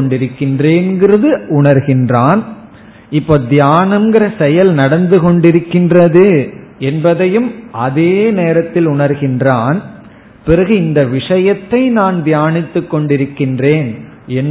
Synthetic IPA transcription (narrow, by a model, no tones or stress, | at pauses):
ɳɖɪɾɯkːɪndreːnɡɪrɐðɯʊɳɐɾɣɪndraːn | ɪpːoːd̪ɪjaːnɐmɡɪɾɐsɛjɐlnɐɽɐnd̪ɯkɔɳɖɪɾɯkːɪndrɐðɯɛnbɐðɐjɯmʔɐðeːneːɾɐt̪ːɪlʊɳɐɾɣɪndraːn | pɪrɐɣɯɪnd̪ɐʋɪʂɐjɐt̪ːɐɪnaːnd̪jaːnɪt̪ːɯkːɔɳɖɪɾɯkːɪndreːnɛn